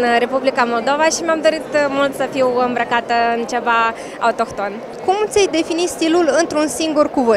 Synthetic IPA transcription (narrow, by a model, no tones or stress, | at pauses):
nre̞publikamo̞ld̪o̞vaʃimamd̪o̞ɾit̪mult̪səfiwɨmbɾəkat̪əɨnt͡ʃe̞va | a̰ut̪o̞kt̪o̞n | kumt̪sʲejd̪e̞finist̪ilulɨnt̪ɾunsiŋɡurkuvɨ